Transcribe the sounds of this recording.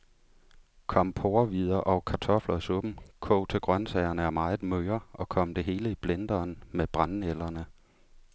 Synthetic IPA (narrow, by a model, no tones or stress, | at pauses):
kʰɒ̽m̰pʰoːɐʋið̞ˠɐʔɒʊkʰɑ̈t͡sʰɒ̽flɐsɔb̥m̩kʰɔ̰ʊt͡sʰe̝ɡ̥ʁɶnsɛɪɐnəæɐmɑ̈ːɪð̩ˠmøːɐʔɒ̽kʰɒ̽m̰d̥e̝ɦe̝ːləib̥lend̥ɐːnmeb̥ʁɑnn̩el̰ɐnə